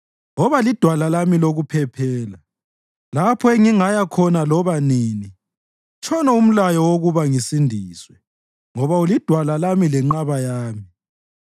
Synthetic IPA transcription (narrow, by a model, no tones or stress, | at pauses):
ɔβalid̥ʱwalalamiloɣupʰɛpʰɛːla | lapʰɔeŋiŋajakʰɔnalɔβaniːni | t͡ʃʰɔnɔum̩lajɔwoɣuβaŋisindʱiːswɛ | ŋɔβaulid̥ʱwalalamilɛŋ͡ǃaβajaːmi